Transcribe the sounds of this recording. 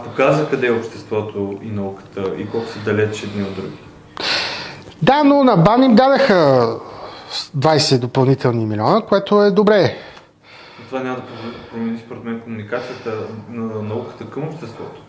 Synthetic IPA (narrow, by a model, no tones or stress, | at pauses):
pokazəkɐd̪ɛopʃt̪ɛst̪vɔt̪oinɐukə̥t̪əḭkɔlˠkʊ̥səd̪ɐlɛt͡ʃɛd̪niod̪ɾuɡʲi | d̪anonɐbanimd̪ad̪ɐxə | d̪vajsɛd̪opɐlˠnit̪ɛlˠnimilʲɔnəkoɛt̪oɛd̪obɾɛ | ɐt̪ovanʲamɐəd̪ɐpvd̪pɾomɛnispoɾɛt̪mɛnkomunikat̪sijət̪ənɐnɐukə̥t̪əkəmopʃt̪ɛst̪vɔt̪o̥